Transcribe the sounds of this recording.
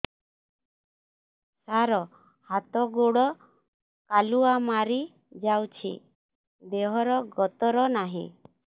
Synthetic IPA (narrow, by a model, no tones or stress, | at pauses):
saɾɔ | hat̪ɔɡoɽɔ | kaluamaɾi | d͡ʒawt͡ʃʰḭ | d̪eɦɔɾɔɡɔt̪ɔɾɔnaɦḭ̃